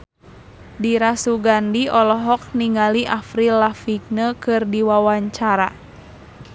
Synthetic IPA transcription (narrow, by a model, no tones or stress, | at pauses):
diɾasuɡandiɔlɔɦɔk̚niŋaliʔafɾilafiɡ̚nəkɨrdiwawaɲt͡ʃaɾa̰